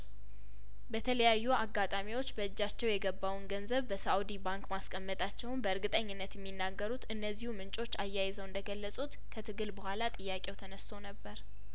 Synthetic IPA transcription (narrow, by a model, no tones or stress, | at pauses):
bət̪ʰələjajːuaɡːat̪ʼamiwo̞t͡ʃːbəɨd͡ʒːat͡ʃːɛwjɛɡəbːawnɡənzəβbəsaud̪ibaŋkmaskʼəmːət̪ʼat͡ʃːɛwnbəɨɾɡɨt̪ʼəɲːɪnːət̪jɛmːinːaɡːəɾut̪ɨnːəzːihumɨnt͡ʃʼo̞t͡ʃːajːajɪzəwɨnd̪əɡəlːəsʼut̪kʰət̪ʰɨɡɨlbəhʷalat̪ʼɨjːakʼewt̪ʰənəst̪ʰo̞nəbːəɾ